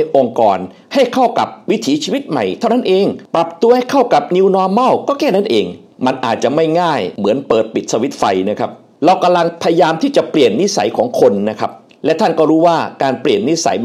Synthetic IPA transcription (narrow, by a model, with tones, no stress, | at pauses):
ʔo˧ŋkɔ̰ː˨˩n | ha˥˩jkʰa˥˩wka˨˩p̚wi˦˥t̪ʰiː˨˩˦t͡ɕʰiː˧wi˦˥t̪̚ma˨˩jt̪ʰa˥˩wna˥nʔeː˧ŋpɾa˨˩p̚t̪u˧ɐha˥˩jkʰa˥˩wka˨˩p̚ni˧wnɔː˧ma˥˩wkɔː˥˩kɛː˥˩na˥˩nʔeː˧ŋ | ma˧nʔaː˨˩t̪̚t͡ɕa˨˩ma˥˩jŋaː˥˩jmɯ˩˦ənpɤː˨˩t̪̚pi˨˩t̪̚sa˧wi˦˥t̪̚fa˧jna˦˥kʰa˦˥p̚ | ɾa˧wka˧mla˧ŋpʰa˧ja˧jaː˧mt̪ʰiː˥˩t͡ɕa˨˩pli˨˩ənːi˦˥sa̰˩˦jkʰɔː˩˦ŋkʰo˧nːa˦˥kʰa˦˥p̚ | lɛ˦˥t̪ʰa˥˩nkɔː˥˩ɾuː˦˥waː˥˩kaː˧npli˨˩ənːi˦˥sa̰˩˦j